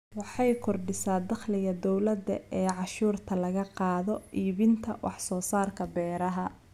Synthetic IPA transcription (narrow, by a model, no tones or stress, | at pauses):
wɑħɑjkʰɔrɖɪsaːd̪ɑχlɪɣɐd̪ɔwlɐd̪ɐ̰ɛːʕɑʃuːrt̪ʰɐlɐɣɐqɑːðɔʔiːβɪnt̪ʰɐ̰wʔɑ̰ħsɔːsaːrkʰɐbɛːɾɐɦɐ